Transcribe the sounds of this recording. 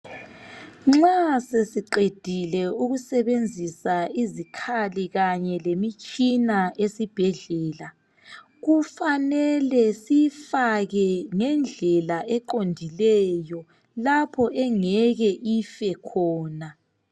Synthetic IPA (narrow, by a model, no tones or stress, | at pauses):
ŋ͡ǁŋ͡ǁasesiǃed̥ʱilɛuɣusɛβend͡zʱisaizikʰaliɣaɲɛlemit͡ʃʼinaʔesib̥ʱɛɮɛːla | ɣufanɛlɛsifaɣɛŋɛnd͡ɮʱɛlaʔɛǃondʱilɛjɔ | lapʰɔʔɛŋɛɣɛʔifɛkʰɔːna